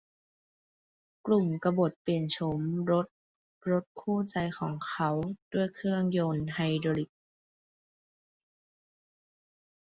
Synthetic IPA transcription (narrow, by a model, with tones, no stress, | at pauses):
klu˨˩mka˧bo˨˩t̪̚pe˨˩nt͡ɕʰo˧˦mɾo˦˥t̪̚ | ɾo˦˥t̪̚kʰuː˥˩t͡ɕa˧jkʰɔː˩˦ŋkʰa˦˥wd̥u˥˩əjkʰɯ˥˩əŋjoː˧nɦa˧jdo˧li˧˩k̚